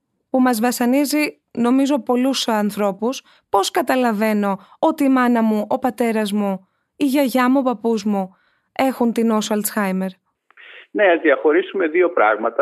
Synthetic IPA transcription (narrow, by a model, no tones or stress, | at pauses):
pumɐzvɐsɐnizi | no̞mizo̞po̞lusɐnθɾo̞pus | po̞skɐt̪ɐlɐve̞no̞o̞t̪iːmɐnɐmuʔopɐt̪e̞ɾɐzmu | iʝɐʝɐmuopɐpuzmu | e̞xunt̪ino̞sɐlt͡sxɐjme̞ɾ | neɐzðiɐxo̞ɾisume̞ðio̞pɾɐ̰ɣmɐt̪ɐ